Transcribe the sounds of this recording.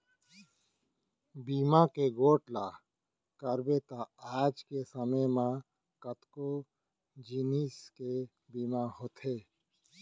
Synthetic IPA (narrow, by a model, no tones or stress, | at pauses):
biːmakeɡoːʈlaː | kəɾbet̪aaːd͡ʒkesəməjmã | kət̪ko | d͡ʒiːniske | biːmaɦoːt̪ʰeː